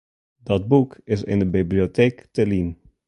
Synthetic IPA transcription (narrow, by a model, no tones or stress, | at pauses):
dɔd̚bukɪs̬ɪ̰ndəbiblioteːktəlin